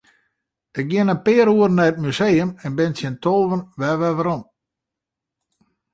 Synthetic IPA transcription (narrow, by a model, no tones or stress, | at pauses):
ɪk̚ɡjɪənənpɪəɾuərnɛət̚mysejəmɛnbɪnsɪntʰoːʋənʋɛʋɛʋəɾɔm